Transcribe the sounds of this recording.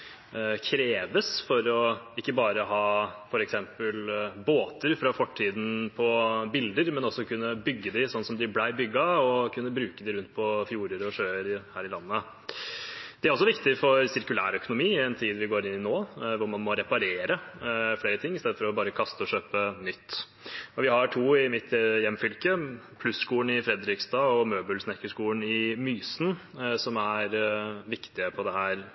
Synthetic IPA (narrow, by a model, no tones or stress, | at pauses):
kʰɾeːʋəsfɔɾɔɪkːəbɑːɾəɦɑːfɔɾɛksɛmpəlboːt̪əɾfɾɑfɔʈʰːiːd̪n̩pʰɔbɪld̪əɾmɛnɔsːɔkʰʉnːəbʏɡːəd̪ɪsɔnːsɔmd̪ɪblæɪbʏɡːɑɔkʰʉnːəbɾʉːkəd̪ɪɾʉnt̪̚pʰɔfjuːɾəɾɔʂøːəɾhæːɾɪlɑnːə | d̪ɛæɾɔs̬ɔʋɪkt̪ɪfɔɾsɪɾkʉlæːɾœkʊnʊmiːɪɛnt̪ʰiːd̪ʋɪɡoːɾɪnːɪnoːʋʊɾmɑnmɔɾɛpɑɾeːɾəfleːɾət̪ʰɪŋːɪst̪ɛːd̪fɔɾɔbɑːɾəkʰɑst̪əɔɕøːpənʏt̪ː | ɔʋɪhɑʈʰuːɪmɪt̪jɛmːfʏlkəpʰlʉsskuːɳɪfɾɛd̪ɾɪksd̪ɑɔmøːbəlsnɛkːəʂkuːəɳnɪmyːsn̩sɔmæɾʋɪkt̪ɪəpʰɔd̪ɛhæːɾ